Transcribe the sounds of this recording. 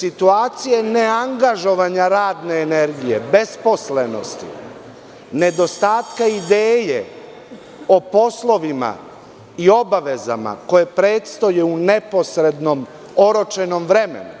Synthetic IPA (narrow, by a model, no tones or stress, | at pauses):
sit̪uaːt̪sijene̞aŋɡaʒo̞ʋaɲaɾaːd̪ne̞ːneɾɡije̞be̞spo̞sleno̞̰st̪ḭ | ne̞d̪o̞st̪aːt̪kaid̪eːje | opo̞slˠo̞ʋima̰ | io̞baʋe̞za̰ma̰ko̞je̞pɾe̞ːt̪st̪o̞jeune̞po̞sɾe̞d̪nom | o̞ɾo̞t͡ʃe̞no̞mʋɾe̞me̞̰nu